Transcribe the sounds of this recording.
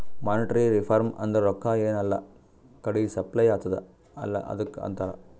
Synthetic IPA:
maːnɪʈɐɾiɾɪfɐɾmɐ̰nd̪ɐɾɔkːaːeːnɐlːɐ̰ | kɐɽuisɐplɐjaːt̪ːɐðɯ | ɐlːɐ̰ʔɐ̰ðɯkːɐ̰nt̪aːlɐ̰

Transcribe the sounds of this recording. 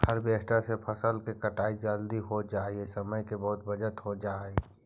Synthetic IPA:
həɾbeːɦʈasepʰəsəlkekəʈaːid͡ʒəld̪iɦod͡ʒaːiesəməjkebɐɦʊt̪bəd͡ʒət̪ɦod͡ʒaːe

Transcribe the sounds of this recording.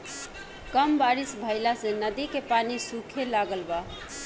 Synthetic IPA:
kəmbaɾisbʱəɪlasenəd̪ikepanisukʰelaɡəlba

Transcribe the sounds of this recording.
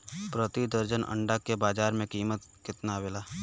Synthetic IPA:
pɾət̪id̪əɾd͡ʒənʔə̰̃ɳɖakːebaːd͡ʒaːɾmẽkiːmət̪kɪt̪nawelaː

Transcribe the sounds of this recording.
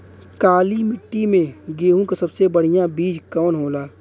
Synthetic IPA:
kaːlimɪʈːimẽɡeːɦũkasɐbsebəɽ̤ijabiːd͡ʒkɔːnɦoːlaː

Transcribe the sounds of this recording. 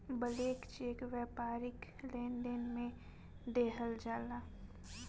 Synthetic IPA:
bəleːkt͡ʃeːkʋjɛːpaːɾɪklẽːnɖənmẽ | d̪eːɦəld͡ʒaːlaː

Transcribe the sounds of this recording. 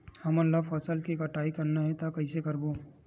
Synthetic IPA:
hɐməɾlɐbfɐsəlkikɐʈaːikɐɾnaɦɛt̪akɐɪsekɐɾboː

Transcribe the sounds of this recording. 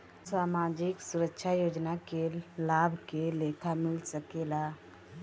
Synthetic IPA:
saːmaːd͡ʒɪksʊɾəkʃʰajoːd͡ʒnakelaːbʱkeleːkʰamɪlsəkeːlaː

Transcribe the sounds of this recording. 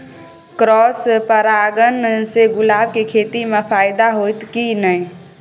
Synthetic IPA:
kɾɔːspəɾaːɡənseɡʊlaːb̚kekʰeːt̪imẽpʰaːjd̪aɦot̪kinəi

